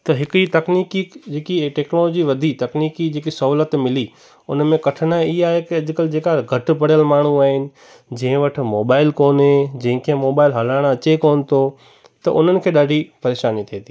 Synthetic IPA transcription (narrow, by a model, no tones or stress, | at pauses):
t̪ɐɦɪkit̪ɐkniːkid͡ʑeːkiʈeːknoːloːd͡ʑiʋɐd̪ʱit̪ɐkniːkid͡ʑeːkisɐɦuːlət̪mɪli | ʊnmẽkɐʈʰənaiaːɦekiɐʄʊkəld͡ʑeːkaɡʱɐʈ̆pɐɽijəlmaːɳ̤̃ũaːɦɪnɪ̆ | d͡ʑɐ̃ɦɪ̃ʋɐʈʰɪ̆moːbaːɪlkoːnɦed͡ʑɐ̃ɦɪ̃kʰẽmoːbaːɪlɦɐlaːɪɽ̃ɐt͡ɕekoːnɪ̆t̪ʰo | t̪ɐ̰ʔʊn̤ənɪ̆kʰeːɗaːɖʱipɐɾeːʃaːnit̪ʰieːt̪ʰiː